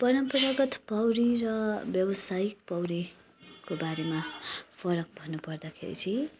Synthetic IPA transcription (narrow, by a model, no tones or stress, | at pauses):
pʌɾʌmpʌɾaɡʌt̪pʌwɾirʌbjʌwʌsajik̚pʌwɾi | kobaɾemapʰʌɾʌk̚bʱʌnːupʌrd̪akʰḛɾḭt͡sʰi